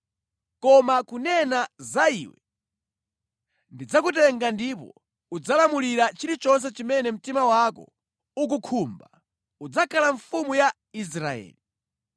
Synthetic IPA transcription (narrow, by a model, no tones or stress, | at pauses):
kɔmakunɛnazaiːwɛ̰ | ndid͡zak̬ut̬ɛŋɡandipɔ̰ | ud͡zalamuliɾat͡ʃiɾit͡ʃɔns̬ɛt͡ʃimɛnɛm̩timawakɔ̰ | uk̬ukʰumba | ud͡zakʰalaɱfumuja | is̬ɾaɛ̰ːli